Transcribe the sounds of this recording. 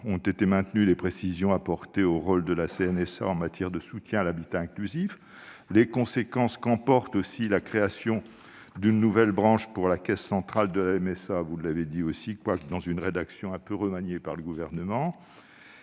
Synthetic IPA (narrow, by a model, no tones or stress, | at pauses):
ɔ̃t̪et̪emɛ̃t̪nylepχesizjɔ̃apɔʁt̪eoʁold̪əlaseɛnɛsa̰ɑ̃mat̪jɛʁd̪əsut̪jɛ̃alabit̪aɛ̃klyzif | lekɔ̃sekɑ̃skɑ̃pɔʁt̪osilakχeasjɔ̃ | d̪ynːuvɛlbʁɑ̃ʃpuʁlakʲɛsːɑ̃t̪χald̪əlaɛmɛsavulːaved̪iosikwakd̪ɑ̃zynʁed̪aksjɔ̃ɛ̃pøʁəmaɲjepaʁləɡuvɛʁnəmɑ̃